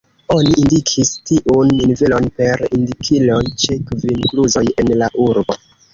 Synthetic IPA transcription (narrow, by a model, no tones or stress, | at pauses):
o̞niʔindikʰistiʔunːinve̞lo̞npe̞ɾindikʰilo̞jt͡ʃe̞kvinkluzo̞je̞nlaʔuɾbo